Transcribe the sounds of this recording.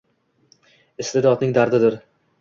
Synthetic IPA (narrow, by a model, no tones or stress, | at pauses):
ɪst̪ɪd̪ɒt̪nɪŋd̪aɾd̪ɪd̪ɪɾ